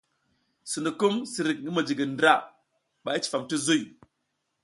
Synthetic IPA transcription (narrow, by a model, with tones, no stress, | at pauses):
su˨nu˨ku˦msi˨ɾi˨k̚ni˦mə˨d͡ʒi˨ɡi˨ndɾa˦ | ɓa˨ji˦t͡ʃi̥˨fa˨mti˦zu˦j